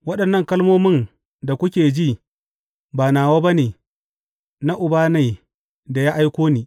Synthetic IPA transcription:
wɐ˦ɗɐ˨nːɐ˦˨ŋkɐ˦lmoː˦mɪ˦n | da˨kʷʊ˦kʲeː˨d͡ʒi˦˨ | baː˨naː˨waː˦ba˦neː˨ | na˦ʔʊ˨baː˦na˨ | da˨ja˦ʔa˦jkʷoː˦niː˨

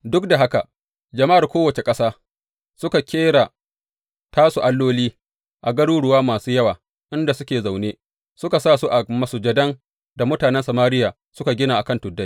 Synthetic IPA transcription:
dʊ˦k̚da˨ɦa˦ka˨ | d͡ʒɐ˨ma˦ʔa˨rkʷoː˦wɐ˨t͡ʃe˨kʼɐ˦saː˦ | sʊ˦ka˨kʲeː˦ɽa˨ | taː˦su˨ʔa˦lːoː˦liː˦ | ʔa˨ɡɐ˦ɽuː˦ɽʊ˨waː˦maː˨suː˦jɐ˦waː˨ | ʔɪ˦nda˨sʊ˦kʲeː˨za˨wneː˦ | sʊ˦ka˨saː˦˨su˦ʔa˨mɐ˨sʊ˨d͡ʒɐ˦dɐ˦ŋ | da˨mʊ˦taː˨nɛ˦nsɐ˨maː˦ɾɪ˦jaː˨ | sʊ˦ka˨ɡʲɪ˦naː˨ʔa˨kɐ˦˨ntʊ˨dːa˦j

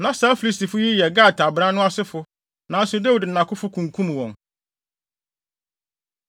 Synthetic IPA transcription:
nã˨˦saː˨˦fi˨li˦sti˨fʊ˦ji˦jɛ˨ɡa˦˨tʰa˨bɾã˦nʊ̃˦a˦sɪ˦fʊ˦ | nã˨˦n̩˦sʊ˨da˦wi˨dn̩˨nã˨kʰʊ˦fʊ˦kʰũ˨ŋ̩˨kʰũ˦m˨wɔ̃˨ŋ

